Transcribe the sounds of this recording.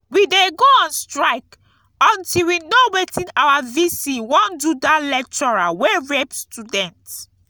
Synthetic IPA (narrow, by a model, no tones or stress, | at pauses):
wideɡoãnstɹaɪk | ɔ̃ntilwinowɛtʰĩnawavisiwɔ̃ndudalɛk̚t͡ʃɔɹawɛɹɛpstudɛ̃nt